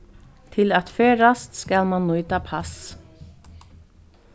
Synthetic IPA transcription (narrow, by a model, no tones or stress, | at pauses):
t̪ʰɪlɑt̪føːɾɑst̪skɑlmɑnnuːyt̪ʰɑːpʰɑs